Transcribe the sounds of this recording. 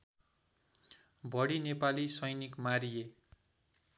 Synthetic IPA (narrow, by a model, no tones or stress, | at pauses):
bʌɽinepalisʌjnikmaɾije